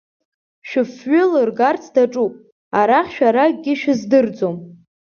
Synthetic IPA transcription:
ʃᶣɪfɥʏlɨrɡart͡sʰdaʈ͡ʂʼupʼ | aɾaχʲʃᶣaɾaɡʲɪʃᶣɪzdɨrd͡zom

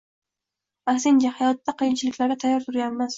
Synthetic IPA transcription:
aksɪnd͡ʒahajɒt̪ːaqʰɨjɪnt͡ʃʰɪlɪkʲlaɾɡʲɪt̪ʰajːɒɾt̪ʰʊɾjʲanːaz

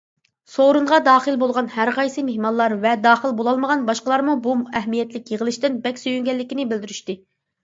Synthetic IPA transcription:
soɾuɴʁɑd̪ɑːχəlˠbolˠʁɑnhæɾqʰɑjsɨmehmɑnlˠɑɾvɛd̪ɑːχəlˠbolˠɑlˠməʁɑnbɑʃqəlˠɑɾmubumɛɦmijɛt̪lɪkʲjeʁəlˠɨʃt̪ɪnbɛkʲsyjyŋɡʲɛlːɪkʲinɪbɪld̪yɾyʃt̪ɪ

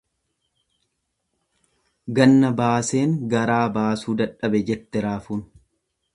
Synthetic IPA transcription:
ɡɐnːɐbaːse̞ːŋɡɐɾaːbaːsuːd̪ɐᶑɐbɛd͡ʒɛt̪ːɛɾaːfuːn

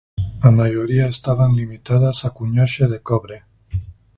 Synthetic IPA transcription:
amaʒoɾiaest̪aβanlimit̪aðasakuɲaʃeðekɔβɾe

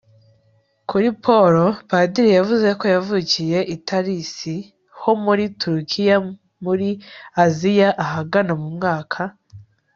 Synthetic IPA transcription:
kuɾipʰo̞ɾo̞padiɾijavuze̞ko̞javucije̞ʔitʰaɾisi | ho̞muɾituɾukʰija | muɾiazijaʔaɦaɡanamumŋaːkʰa

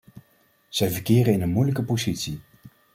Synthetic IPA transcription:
z̥ɛjvəɹkɪːɾəɪnənmujləkəpozitsi

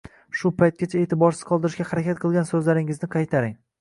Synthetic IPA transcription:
ʃʊpʰajt̪̚kʲat͡ʃʰae̞ːt̪ʰɪbɒɾsɪz̥qʰɒlˠd̪ɪɾɪʃɡʲahaɾakʲat̪̚qʰɨlˠɡʲansɵzlaɾɪŋɪznɪqʰɑjt̪ʰaɾɪŋ

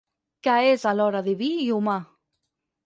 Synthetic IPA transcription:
kaesaloɾaðeβijuma

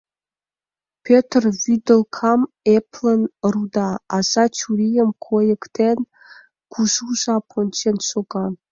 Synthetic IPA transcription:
pʲʰøt̪ʰrvid̪əlkʰɑm | epʰlənrud̪ɑːzɑt͡ʃʰuɾijəmkʰojekt̪ʰen | ɡ̥ʷʰuʒuʒɑpʰont͡ʃʰenʃʰoɡɑ

